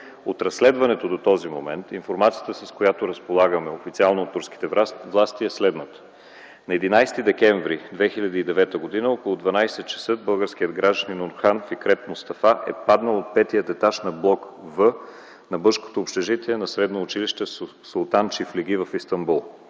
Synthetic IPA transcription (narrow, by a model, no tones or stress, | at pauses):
ot̪ɾɐsːlɛd̪vɐnɛt̪od̪ot̪ɔzimomɛnt̪infoɾmat̪sijət̪əsɐskojat̪oɾɐspolˠaɡəmɛofit̪sialˠnoːt̪ːuɾski̥t̪ɛvlˠast̪iɛslɛd̪nət̪ə̥ | nɐɛd̪inajst̪id̪ɛkɛɱvɾid̪vɛxilʲɐd̪iːd̪ɛvɛt̪əɡod̪inəɔkolˠʊd̪vɐnajsɛt̪̚t͡ʃɐ̥səd̪̚bɤlˠɡəɾsk̟iəd̪ɡɾaʒd̪əninonxanfikɾɛt̪most̪ɐfaʔɛ̰pad̪nəlˠot̪̚pɛt̪iət̪ɛt̪aʃnɐblˠɔk | vɤ | nɐbɤʃko̥t̪oːpʃt̪ɛʒit̪ɛɛnɐsɾɛd̪noːt͡ʃiliʃt̪ɛs | solˠt̪ant͡ʃifliɡ̟ivəfist̪ɐmbulˠ